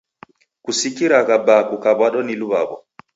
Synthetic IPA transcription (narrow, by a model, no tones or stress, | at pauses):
kusikiɾaɣabakukabaɗɔniluβabɔ̰